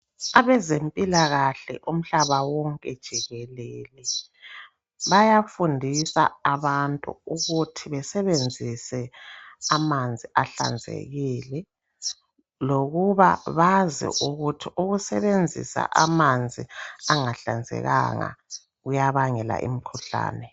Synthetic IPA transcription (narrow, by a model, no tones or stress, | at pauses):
aβɛzempʼilaɣaɬɛ̰ʔum̩ɬaβawɔŋkʼɛd̥ʒ̥ʱiɣɛlelɛ | βajafundʱisa̰ːβantʼṵuɣutʰiβɛsɛβend͡zʱisɛamand͡zʱiʔaɬa̰nd͡zʱḛɣilɛ | loɣuβa̰βazḭʔuɣutʰiuɣusɛβend͡zʱḭsa̰ʔamand͡zʱiaŋaɬand͡zʱɛ̰ɣa̰ŋa̰ | ɣujaβaŋɛla̰ʔḭmikʰuɬa̰ːnɛ